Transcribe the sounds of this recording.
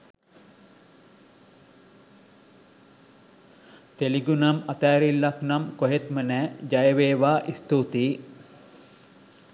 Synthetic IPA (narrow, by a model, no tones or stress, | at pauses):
t̪eliɡunamat̪aːɾilːaknamkoɦet̪mənɛːd͡ʒajəʋeːʋaːʔist̪ut̪iː